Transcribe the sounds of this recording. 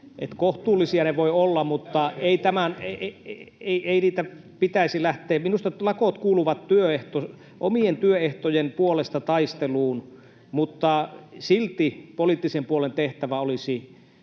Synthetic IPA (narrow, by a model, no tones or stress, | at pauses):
ʔḛt̪koht̪uːlːˑisiɑneʋoiolːɑmut̪ːɑeˑit̪æmæn | eieiniːt̪æ | pit̪æˑisilæht̪ˑeːminust̪ɑlɑkot̪kuːluʋɑt̪t̪yøeht̪o | ʔomient̪yøeht̪ojenpuolest̪ɑt̪ɑist̪eluːn | mut̪ːɑsilt̪ipoliˑt̪ːisempuolent̪eht̪æʋæolisi